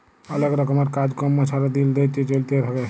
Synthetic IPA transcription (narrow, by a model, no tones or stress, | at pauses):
ələɡɾəkəməɾkad͡ʒkəmːet͡ʃʰaɾad̪ild̪et͡ʃ̪it͡ʃəlt̪eɾəkɛ